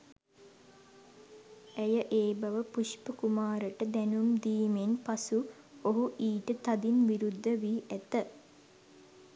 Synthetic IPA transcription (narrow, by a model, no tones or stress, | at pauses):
æjəʔeːbaʋəpuʃpəkumaːɾəʈəd̪ɛnumd̪iːmenpasu | oɦuʔiːʈət̪ad̪inʋiɾud̪ʱːəʋiʔæt̪ə